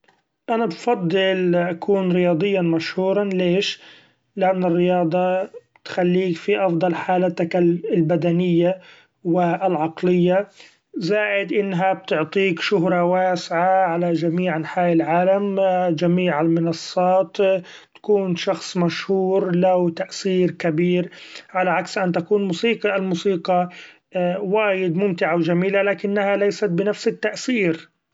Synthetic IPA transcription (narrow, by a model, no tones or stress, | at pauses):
ʔanabfɑd̪ˤːɨlʔakuːnɾɪjɑːd̪ˤɨjːanmaʃhuːɾˤɑnleːʃ | lɪʔanːɪrːɪjɑːd̪ˤɑ | t̪xalːiːkfiʔɑfd̪ˤɑlħaːlat̪akalbad̪anɪjːa | wɪʔlʕɑqlɪjːa | zaːʕɪd̪ʔɪnːɦab̚t̪ʊʕt̪ˤiːkʃʊɦɾˤɑwaːsʕaʕalad͡ʒamiːʕʔanħaːʔɪlʕaːlamd͡ʒamiːʕalmɪnɑsˤːɑːt̪ | t̪ḁkuːnʃɑxsˤmaʃhuːɾlawt̪aʔsiːɾkabiːɾʕalaʕaksʔant̪akuːnmuːsiːqɑʔɪlmuːsiːqɑ | waːjɪd̪mʊmt̪ɪʕawd͡ʒamiːlalaːkɪnːahalajsat̪̚bɪnafsɪt̪ːaʔsiːɾ